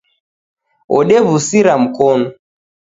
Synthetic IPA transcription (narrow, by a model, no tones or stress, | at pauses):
ɔ̰ɗɛβusiɾam̩kɔnɔ